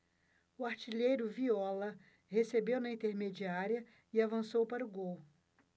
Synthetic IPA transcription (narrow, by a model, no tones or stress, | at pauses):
ʊaɾt͡ʃiʎejɾʊviɔlɐ | hesebewnɐĩt̪eɾmed͡ʒiaɾiɐ | ɪavɐ̃sowpaɾʊɡow